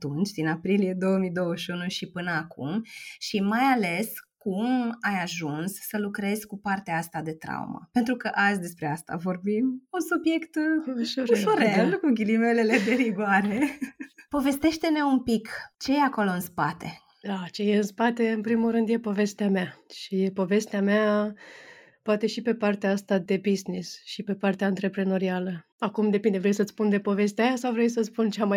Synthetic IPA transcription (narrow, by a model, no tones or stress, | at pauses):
at̪unt͡ʃʲd̪inapɾilije̞d̪o̞wəmijd̪owəʃʲunuʃipɨnəakṵmʃimajale̞skumajaʒunsːəlukɾe̞zkupart̪eaast̪ad̪e̞t̪ɾa̰ṵmə̰pe̞nt̪ɾukəʔazʲd̪e̞spɾe̞ast̪a̰vo̞rbimunsubje̞kt̪ɾʃuɾelkuɡʲilime̞le̞le̞d̪e̞ɾiɡoaɾe̞po̞ve̞st̪e̞ʃt̪e̞ne̞umpikt͡ʃe̞jeako̞lo̞ɨnspat̪e̞̰ | at͡ʃe̞je̞ɨnspat̪e̞ɨnpɾimulɾɨnd̪je̞po̞ve̞st̪eameaʃijepo̞ve̞st̪eamea | poat̪e̞ʃipe̞part̪eaast̪ad̪e̞biznisʃipe̞part̪eaɨnt̪ɾe̞pɾe̞no̞ɾialə | akumd̪e̞pind̪e̞vɾejsət̪sspund̪e̞po̞ve̞st̪eajasawvɾejs̬ət̪spunt͡ʃamaj